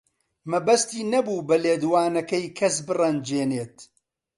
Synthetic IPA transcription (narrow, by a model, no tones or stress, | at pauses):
mɐbɐst̪iːnɐbuːbɐleːd̪waːnɐkɐjkʰɐsbɨrɐnd͡ʒeːneːt̪